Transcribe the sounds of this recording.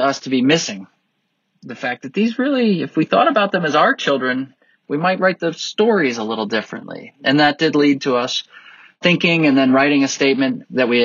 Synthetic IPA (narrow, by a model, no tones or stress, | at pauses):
ʌstʰɨbimɪsɪ̃ŋ | ðɨfæk̚ðɨt̪̚ðizɹɪlˠiɨfwiθɔ̰ɾəbaʊt̪̚ðɨ̃mɨzaʊə˞t͡ʃʰɪlˠdɹɨ̃n | wimaɪt̚ɹaɪt̪̚ðɨstɔɹizəlɪɾl̩ˠdɪfɹɨ̰̃nʔlḭʔɨ̃nðət̚d̥ɨdˡlid̚tʰəʌs | θɪ̃ŋkɪ̃ŋɨ̃nðɨ̃nɹaɪɾɪ̃ŋɨsteɪt̚mɨ̃nðɨt̚wi